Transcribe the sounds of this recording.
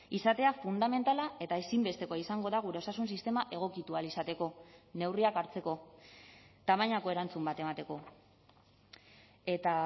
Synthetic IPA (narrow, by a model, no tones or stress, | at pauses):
isat̪e̞afund̪ame̞nt̪alae̞t̪ae̞simbe̞st̪e̞koaisaŋɡo̞ðaɣ̞uɾe̞o̞sasunsist̪e̞maʔe̞ɣ̞o̞kit̪ualisat̪e̞ko̞ne̞wriakaɾt͡se̞ko̞ | t̪amaɲako̞e̞ɾant͡sumbat̪e̞mat̪e̞ko̞ | e̞t̪a